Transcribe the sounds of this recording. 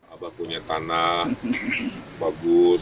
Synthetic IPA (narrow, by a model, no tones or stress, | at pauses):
abapuɲat̪anah | baɡʊs